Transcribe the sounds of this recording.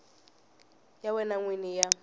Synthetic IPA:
jawɛnaŋwinija

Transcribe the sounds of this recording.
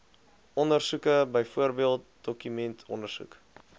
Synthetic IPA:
ɔndərsukəbəjfuərbiəlˠt̚dɔkymɛntʰɔndərsṵk

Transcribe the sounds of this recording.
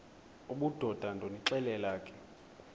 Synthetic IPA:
uɓud̥ʱɔd̥ʱandʱoniǁɛlɛlaːkʼɛ̥

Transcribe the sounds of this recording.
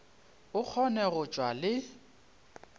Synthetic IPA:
ʊk͡xʰɔnɛɣʊt͡ʃʼwalɪ

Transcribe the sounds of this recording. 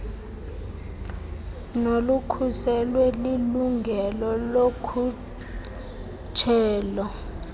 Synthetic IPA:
nolukʰusɛlwɛliluŋɡʱɛlɔlokʰu | t͡ʃʰɛːlɔ

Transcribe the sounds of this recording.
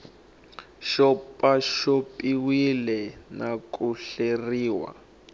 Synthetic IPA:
ʃɔpʼaʃopʼiwilɛnakuɬeriːwa̰

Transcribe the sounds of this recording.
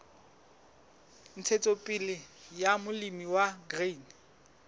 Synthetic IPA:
n̩t͡sʰet͡sʼopʼilɪjamʊlimiwaɡriːn

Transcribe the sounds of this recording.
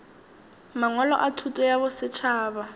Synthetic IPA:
maŋwalɔ̰ʔatʰutʼɔjabʊsɪt͡ʃʰaːba

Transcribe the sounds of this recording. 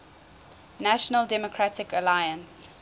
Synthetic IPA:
næʃənəldɛmɔkʰɹatɪkəlajə̃ns

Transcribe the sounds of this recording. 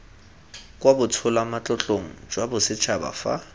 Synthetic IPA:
kʼwabʊt͡sʰʊlamat͡ɬʼɔt͡ɬʼoŋ̩d͡ʒwabʊsɪt͡ʃʰaba̰fa̰

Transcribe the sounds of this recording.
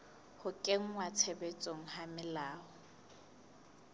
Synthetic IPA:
hʊkʼeŋ̩ŋwat͡sʰebet͡sʼoŋ̩hamɪlaːʊ

